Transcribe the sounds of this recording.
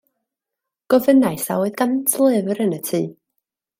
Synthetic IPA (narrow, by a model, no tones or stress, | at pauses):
ɡ̥ɔvənajsa̰wɨðɡantʰlˠɪvɾənətʰɨː